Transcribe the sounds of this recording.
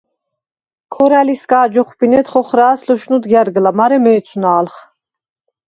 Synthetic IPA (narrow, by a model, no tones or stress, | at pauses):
kʰɔɾæliskaːd͡ʒɔχpinɛt̪χɔχɾaːslɔʃnud̪ɡjaɾɡlamaɾɛmɛːt͡sʰunaːlχ